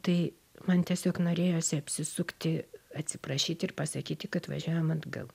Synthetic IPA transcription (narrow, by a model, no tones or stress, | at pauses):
t̪ɐɪ | mɐnt̪ʲiɛsʲoːknoːɾʲeːjoːsʲɪɐpʲsʲɪsʊkt̪ʲɪɐt̪ʲsʲɪpɾɐʃʲiːt̪ʲɪrpɐsɐkʲiːt̪ʲɪkɐt̪ʋɐ̰ʒʲuːjomɐd̪ɡɐ̰lˠ